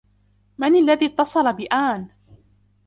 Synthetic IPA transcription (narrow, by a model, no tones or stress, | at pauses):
manalːaðiːt̪ːɑsˤɑlabɪʔaːn